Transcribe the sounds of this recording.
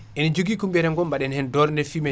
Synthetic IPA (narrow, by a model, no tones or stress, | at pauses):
ʔɛnid͡ʒoɡikumbɛɾɛŋɡɔmbaɗɛnhɛndɔɾndɛfiːma